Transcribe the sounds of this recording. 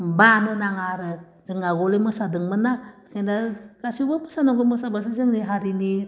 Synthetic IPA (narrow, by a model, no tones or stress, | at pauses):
banɯnaŋaɾɯ | zɯŋaɡɔlemɯsadɯŋmɯnakʰandaɡasibamɯsanɔŋɡɯmɔsabas̬izɯŋniɦaɾini